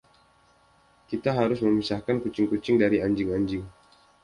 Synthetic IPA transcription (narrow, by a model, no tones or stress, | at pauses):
kit̪aɦaɾʊsməmisahkankut͡ʃɪŋkut͡ʃɪŋdaɾiaɲd͡ʒɪŋaɲd͡ʒɪŋ